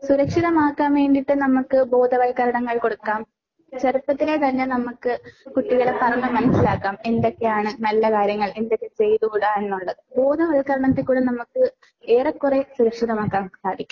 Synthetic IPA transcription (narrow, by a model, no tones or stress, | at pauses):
suɾɐkʂiðɐmaːkːaːmeːɳɖiʈːɨnɐmukːɨbo̞ːd̪ʱɐʋɐɭkɐɾɐɳɐŋːɐɭko̞ɽukːaːm | t͡ɕɐrup̪ːɐt̪ːilet̪ɐnːenɐmukːɨkuʈːiɣɐɭepɐrɐŋːɐmːɐnɐsːilaːkːaːme̞nd̪o̞kːe̞jaːɳɨnɐlːɐkaːɾjɐŋːɐɭend̪okːet͡ɕe̞jðukuːɽaenːuɭːɐðɨbo̞ːd̪ʱɐʋɐlkːɐɾɐɳɐt̪ːikuːɽenɐmukːɨ | eːrɐkːuresuɾɐkʂiðɐmaːkːaːmsaːd̪ʱikʲːu